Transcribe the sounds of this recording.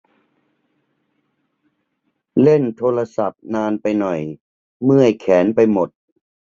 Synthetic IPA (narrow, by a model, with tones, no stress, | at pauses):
le˥˩nt̪ʰoː˧ɾa˧sa˨˩p̚naː˧npa˧jnɔ˨˩j | mɯ˥˩əjkʰɛː˩˦npa˧jmo˨˩t̪̚